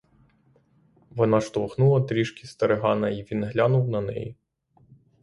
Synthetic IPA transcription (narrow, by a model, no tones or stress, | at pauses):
ʋɔnɑʃt̪ɔʋxnulˠɐt̪ɾʲiʃkʲist̪ɐɾeɦɑnɐiʋʲinɦlʲanʊwnɐnɛ̰ji